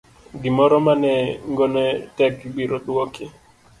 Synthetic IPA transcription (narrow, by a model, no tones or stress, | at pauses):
ɡimɔɾɔmanɛŋɡɔnɛtɛkɡ͡biɾoɗuoki